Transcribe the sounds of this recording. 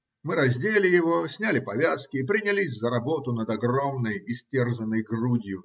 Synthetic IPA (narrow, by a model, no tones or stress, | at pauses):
mɨɾɐzʲdʲelʲɪjɪvo̞sʲnʲælʲɪpɐvʲaskʲɪːpɾʲɪnʲɪlʲisʲzəɾɐbo̞t̪ʊnəd̪ɐɡromnəjɪsʲtʲerzənːəjɡrudʲjʊ